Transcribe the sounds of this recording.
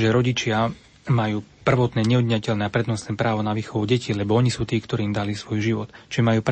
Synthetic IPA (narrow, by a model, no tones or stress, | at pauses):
ʒɛɾɔɟit͡ʃɪa | majuːpr̩ʋɔt̪nɛːɲɛɔd̪ɲacɛlnɛːapɾɛd̪nɔsnɛːpɾaːʋɔnaʋiːxɔʋuɟɛcilɛbɔɔɲisuːt̪iːkt̪ɔɾiːmd̪alisʋɔjʒiʋɔt̪t͡ʃmajuːp